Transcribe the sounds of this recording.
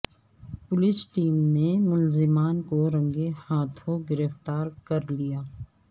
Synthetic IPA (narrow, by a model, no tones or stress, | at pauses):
pʊlɪsʈiːmnemʊlzɪmaːnkoɾɐ̃ŋɡehaːt̪ʰõɡɪɾəft̪aːɾkɐɾlijaː